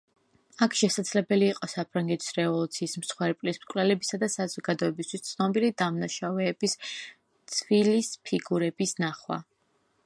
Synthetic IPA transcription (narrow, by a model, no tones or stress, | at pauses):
akʰʃɛsad̪z̥lɛbɛliːqʼɔsapʰɾaŋɡɛt̪ʰi̥sɾɛvɔlˠut̪sʰiːsmsχwɛɾpʼlismkʼwlɛlɛbisad̪asazɔɡad̪ɔɛbist̪ʰwist̪sʰnɔbilid̪amnaʃavɛːbis | tt̪sʰvilispʰiɡuɾɛbisnaχwa̰